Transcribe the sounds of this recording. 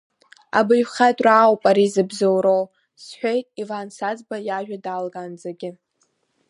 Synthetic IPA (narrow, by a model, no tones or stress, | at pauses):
a̰bɨjχatʼraːwpʼaɾizɨbzowɾow | sħʷᶣejtʼivansad͡zbajaʒᶣadalɡand͡zaɡʲɪ